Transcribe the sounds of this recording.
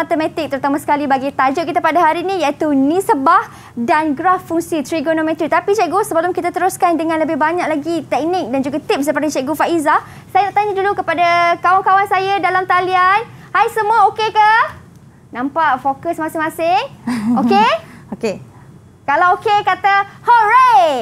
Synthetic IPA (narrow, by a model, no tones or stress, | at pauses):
mat̪əmɛ̃t̪ɪk̚t̪əɾut̪amãsə̥kalibaɡit̪ad͡ʒʊʔ̚kit̪apadaɦaɾinĩjait̪unĩsəbah | danɡɾafːuŋsit̪ɾiɡonomɛ̃t̪ɾit̪apit͡ʃɛʔɡosəbəlʊmkit̪at̪əɾʊskandəŋãnləbɪhbaɲaʔlaɡit̪ɛk̚nɪk̚dand͡ʒuɡat̪ɪp̚sdəpadat͡ʃɛʔɡufaʔiza | sajanaʔt̪aɲadulukəpadakawankawansajadalamt̪alian | hajsəmũaokekə | nãmpaʔfokəsmãsɪŋmãsɪŋokeoke | kalawokekat̪ahoɾa